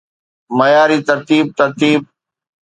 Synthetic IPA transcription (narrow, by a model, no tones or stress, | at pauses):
məjaːɾiːt̪əɾt̪iːb̚t̪əɾt̪iːb̚